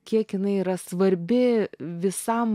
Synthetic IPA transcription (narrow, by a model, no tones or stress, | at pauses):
kʲiɛkɪnɐɪiːɾɐsʋɐɾʲbʲɪʋʲɪsɐm